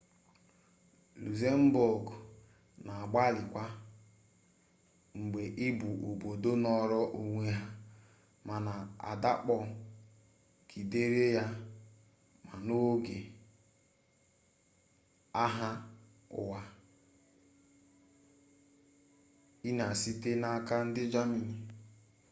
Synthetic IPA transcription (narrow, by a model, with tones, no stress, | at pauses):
lu˨ze˦m̩˦bo˨ɡ | na˨a˨ɡ͡ba˦lɪ˨kʷa˦ | ŋ͡m̩˨ɡ͡be˨ʔɪ˦bu˨ʔu˨bo˨do˦nɔ˦ɾɔ˦ʔu˨ŋʷe˦ɦa˦ | ma˨na˨a̰˨da˦k͡pɔ˨ | ki˨de˦ɾe˦ja˦ | ma˨no˦ɡe˨ | a˦ɦa˦ | ʊ̰˨wa˨ | i˦n˨a˨si˦te˦na˦ka˦n̩˦dɪ˦d͡ʒa˦mi˨ni˦